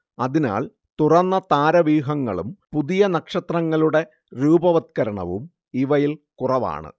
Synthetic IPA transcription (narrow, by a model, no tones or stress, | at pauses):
ɐðina̰ːl | t̪urɐnːɐt̪aːɾɐʋiːɦɐŋːɐ̰ɭumpuðijɐnɐkʂɐt̪rɐŋːɐɭuɽe̞ | ɾuːbɐʋɐt̪̚kɐɾɐɳɐ̰ʋṵm | iʋɐjilkurɐʋa̰ːɳɨ̰